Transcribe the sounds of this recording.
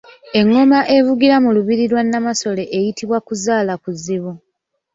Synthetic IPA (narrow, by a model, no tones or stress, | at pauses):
e̞ŋːomaʔe̞vuɡiɾamuluβiɾiɾwanːamaso̞le̞ʔejitʰiβwakuzaːlakuzːiβu